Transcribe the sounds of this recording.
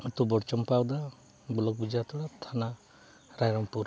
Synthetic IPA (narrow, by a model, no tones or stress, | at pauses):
ut̪ubɔɽt͡ʃɔmpawd̪a | bulɔk̚bid͡ʒat̪ɔɽat̪ʰana | ɾajɾɔmpuɾ